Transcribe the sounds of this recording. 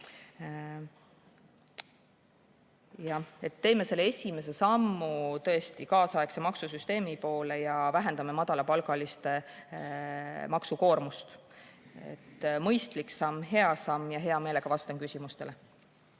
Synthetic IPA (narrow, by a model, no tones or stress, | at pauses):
jɑe̞t̪ːe̞ːme̞se̞lːee̞sʲime̞se̞sɑmːut̪ɤ̞e̞st̪ikɑːsɑe̞kse̞mɑksusyst̪e̞ːmipo̞ːle̞jɑvæɦe̞nd̪̥ɑme̞mɑd̪̥ɑlɑpɑlɡɑlist̪e̞ | mɑksuko̞ːrmust̪ | e̞̰t̪ːmɤjst̪liksɑmɦe̞ɑsɑmːjɑɦe̞ɑme̞ːle̞ɡ̥ɑvɑst̪enkysʲimust̪e̞̰le̞